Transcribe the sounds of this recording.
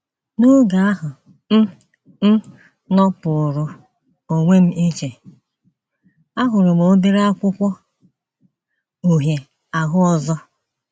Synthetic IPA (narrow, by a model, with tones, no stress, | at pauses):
nʊ˦ɡa˨a˦ɦʊ˨ | n̩˦ | n̩˦ | nɔ˦pʊ˨ɾʊ˨ | o˨ŋʷe˦m̩˦i˦t͡ʃe˨ | a˦ɦʊ˨ɾʊ˨mo˨˦be˦ɾa˦kʷʊ˦kʷɔ˦ | u˨ɦje˨ | a˨ɦʊ˦ɔ˦zɔ˦